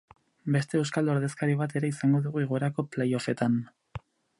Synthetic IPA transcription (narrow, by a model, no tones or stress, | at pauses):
be̞st̪e̞ːwskald̪oɾðe̞skaɾiβ̞at̪e̞ɾeisaŋɡo̞ðuɣuiɣ̞oeɾako̞plejo̞fe̞t̪an